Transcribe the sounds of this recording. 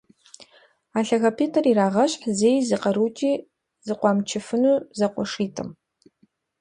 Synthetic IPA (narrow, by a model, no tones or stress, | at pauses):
aːɬɐɣɐpʰiːtʰɐriɾaːʁɐɕħzeːjzɨqɐɾuːtʰʼiː | zɨqʷɑːmt͡ʃʰɪfɨnuːzɐqʷɔʂiːtʰɨ̰m